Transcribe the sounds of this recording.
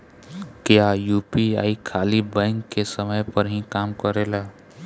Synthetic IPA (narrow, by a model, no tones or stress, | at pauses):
kjajupia̰ikʰalibə̃ŋkːesəməjpəɾɦĩkaːmkəɾela